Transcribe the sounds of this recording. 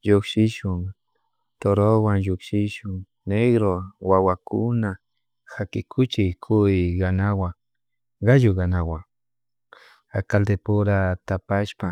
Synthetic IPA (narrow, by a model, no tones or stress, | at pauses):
ʒokʃɪʃʊŋ | t̪oɾowaŋjʊkʃɪʃʊŋ | neɡɾowawakʰʊna | xakɪkʰʊt͡ʃɪkʰʊɡanawa | ɡajoɣanawa | akald̪epʊɾat̪apaʃpa